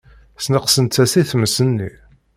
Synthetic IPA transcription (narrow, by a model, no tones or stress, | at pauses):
snəqsənt̪t͡sːæsiθməsənːi